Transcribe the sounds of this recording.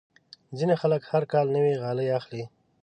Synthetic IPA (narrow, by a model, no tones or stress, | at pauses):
zinexaləkhaɾkɑlnəwiɣɑləjaxli